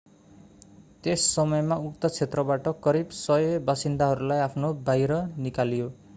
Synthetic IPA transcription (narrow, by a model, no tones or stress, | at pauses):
t̪esːʌmʌjmaukt̪ʌt͡sʰet̪rʌbaʈʌkʌɾibsʌjobasind̪aɦʌɾulajapʰnobajɾʌnikalijo